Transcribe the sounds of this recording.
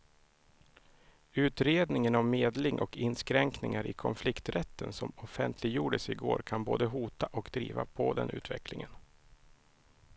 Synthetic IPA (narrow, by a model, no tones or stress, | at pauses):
ʉ̟ːt̪ɾeːd̪nɪŋənavmeːd̪lɪŋʔɔkɪnskɾɛŋknɪŋaɾɪkʰɔnflɪkt̪ɾɛt̪ʰːənsɔmɔfɛnt̪ʰlɪɡjuːɖəsɪɡo̰ːɾkʰanboːd̪əɦuːt̪aʔɔkd̪ɾḭːva̰pʰɔd̪ɛ̰nʉ̟ːt̪vɛklɪŋən